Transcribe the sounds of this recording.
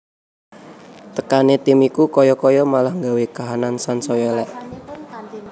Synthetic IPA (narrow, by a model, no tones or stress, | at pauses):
t̪əkanet̪imikukɔjɔkɔjɔmalahŋɡawekaɦanansansɔjɔlɛʔ